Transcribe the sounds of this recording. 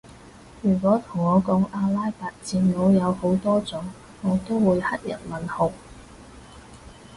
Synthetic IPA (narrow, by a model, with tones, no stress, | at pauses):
jyː˨˩kʷɔː˨˥t̪ʰʊ˨˩ŋɔː˨˧kɔː˨˥ŋaː˧laː˥jpaː˨˧t̚t͡siː˧nlo˨˧wjɐ˨˧who˨˥wt̪ɔː˥t͡sʊ˨˥ŋ | ŋɔː˨˧t̪o˥wwuː˨˧jhɐ˥t̚jɐ̰˨˩nmɐ˨˩nhʊ˨˩w